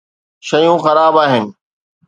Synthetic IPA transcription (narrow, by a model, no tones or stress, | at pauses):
ʃəjũːxəɾaːbaːɦɪnɪ̆